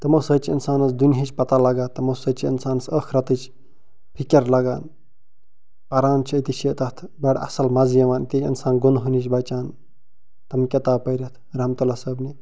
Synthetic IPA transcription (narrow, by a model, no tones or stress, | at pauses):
t̪ɐmosət͡ʃʰiinsaːnɐsd̪uniɦit͡ʃʰʲpɐt̪alɐɡaːt̪ːɐmɐsət͡ʃʰiinsaːnsəkʰɾɐt̪ɨt͡ʃʰ | pʰikʲɐɾlɐɡa̰ːn | pɐɾaːnt͡ʃʰiit̪it͡ʃʰit̪ɐt̪ʰ | bɐɽɐ̰sɐlmɐzijɐʋaːnit̪it͡ʃʰʲḭnsaːnɡonɦunit͡ʃʰbɐt͡ʃaːn | t̪ɐmkʲɐt̪aːbpɐjɾɐt̪ʰɾɐmt̪ɐlasəbni